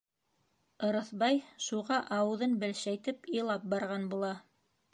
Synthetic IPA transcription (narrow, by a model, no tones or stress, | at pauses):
ɤ̆ɾɤ̆θbɑjʃuʁɑʔɑwɤ̆ðɤnbɘ̆lʃæjt̪ɘpɤ̆jlˠɑp̚bɑɾʁɑnbulˠɑ